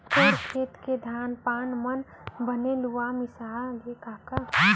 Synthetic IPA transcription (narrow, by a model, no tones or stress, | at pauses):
toːɾkʰeːt̪ked̪ʱaːnpaːnmən | bəneluamɪsaːɡekaːka